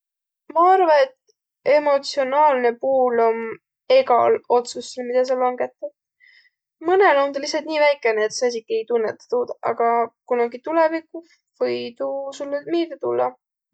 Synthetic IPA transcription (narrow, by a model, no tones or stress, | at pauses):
mɑɑrvɑnet̪ | e̞mo̞t̪sio̞nɑːlne̞puːlo̞m | e̞ɡɑ̰lo̞t̪susːelmid̪ɑs̬ɑlɑŋɡ̥e̞t̪ːˑɑ̥ | mɯne̞lo̞nt̪ɑlisːɑlt̪̚niːvæjkːˑeneːt̪seɑsʲikie̞jt̪unːet̪ːˑɑ̥t̪uːd̪̥ʔɑ̰ɡ̥ɑkunɑɡit̪ulevikːˑu | vɤjd̪usulːemiːd̪et̪ulːɑ